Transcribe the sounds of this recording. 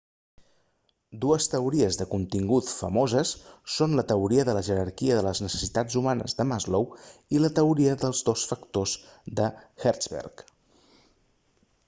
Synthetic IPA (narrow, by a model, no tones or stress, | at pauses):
d̪uəst̪əuɾiəzðəkunt̪iŋɡut̪fəmozəsːonlət̪əuɾiəðələʒəɾəɾkiəðələznəsə̥sit̪ad͡zumanə̰zðəmazlowilət̪əuɾiəðəlˠzðosfəkt̪ozd̪əxɛɾzβɛ̰rk